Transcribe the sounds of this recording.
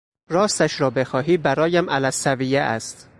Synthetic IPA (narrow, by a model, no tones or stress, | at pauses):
ɾɒːst̪æʃɾɒːbe̞xɒːɦiːbæɾɒːjæmʔælæsæviːjeʔæ̰st̪